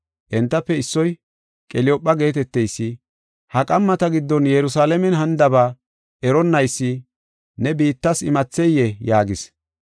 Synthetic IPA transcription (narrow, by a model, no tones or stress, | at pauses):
ʔɛnt̪ːɐpːɛɪsːɔj | kʼɛlɪɔpʼːɐɡe̞ːt̪ɛt̪ːɛjsːɪ | hɐkʼɐmːɐt̪ɐɡɪd̪ːɔnjɛɾʊsaːlɐmɛnɦɐnd̪ɐbaː | ʔɛɾɔnːɐjsːɪ | nɛbiːt̪ːɐsɪmɐt͡sːɛjɛjaːɡɪs